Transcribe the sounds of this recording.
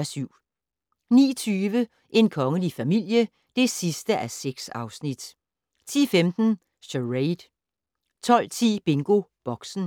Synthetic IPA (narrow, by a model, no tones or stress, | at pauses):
æsyʊ̰ | nḭːt͡sʰyːʋə | ʔe̝nkʰɒ̽ŋəlifæmil̰jə | d̥e̝sisd̥əʔæseɡ̥sɑ̈ʊsnid̥ | t͡sʰḭːfemd̥n̩ | ɕøʁeɪd̥ | t͡sʰɒ̽l̰t͡sʰḭːb̥e̝ŋɡ̥o̝b̥ɒ̽ɡ̥sn̩